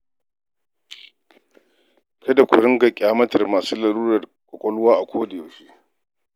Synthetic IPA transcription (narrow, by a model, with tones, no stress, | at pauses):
kʰɐ˦da˨kʷʊ̰˨ɽɪ˦ŋɡa˨kʲʼaː˨mɐ˦tɐ˨rmaː˨suː˦la˨luː˦ɾɐ˨rkʷɔ˨kʷʼɔ˦lʊ˦waː˦ʔa˨kʷʰoː˦da˨ja˨ʃi˦